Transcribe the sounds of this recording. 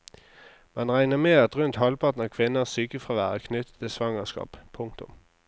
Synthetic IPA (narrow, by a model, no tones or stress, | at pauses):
mɛnʁæɪnəmeːɑt̪ʁʉnt̪hɔlpɑt̪n̩ɑkʰʋɪnəsyːkəfʁɑʋæ̰ːʁəkʰnʏt̪ə̥t̪ʰːɪsʋɑŋəskɑ̰ːppʰːʊŋk̚t̪ʊ̰m